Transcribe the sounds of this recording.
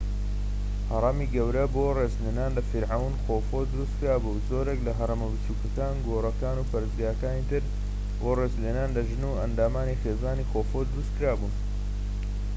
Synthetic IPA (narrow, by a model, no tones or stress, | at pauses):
hɐɾˤɑmiːɡɐwɾɐboːrezleːnaːnlɐfɪɾʕawnxofod̪ʊɾust̪̚kɨɾaːbuzoːɾeklɐɦɐɾˤɐmɐbɨt͡ʃukɐkaːnɡorɐkaːnuːpɐɾɨzɡaːjɐkaːnit̪ʰɨɾ | boːrezleːnaːnlɐʒɨnuːɐnd̪aːmaːnixeːzaːnixoːfod̪ʊɾust̪kɨɾaːbuːn